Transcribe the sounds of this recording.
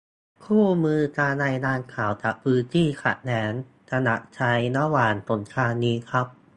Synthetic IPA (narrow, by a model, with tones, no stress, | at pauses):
kʰuː˥˩mɯː˧t͡ɕaː˧na˧jdaː˧nkʰaː˩˦wt͡ɕa˨˩ʔpʰɯː˧nt̪ʰiː˥˩kʰa̰˨˩t̪̚nɛː˩˦n | ta˧na̰˨˩ʔ̚t͡ɕʰa˧jna˦˥waː˨˩nso˩˦nkʰaː˧nːiː˦˥kʰɾa˦˥p̚